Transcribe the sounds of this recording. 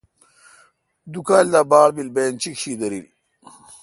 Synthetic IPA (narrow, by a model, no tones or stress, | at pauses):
d̪ukaːld̪aːbaːlbilbeːnt͡ɕikɕiːd̪ɐɾil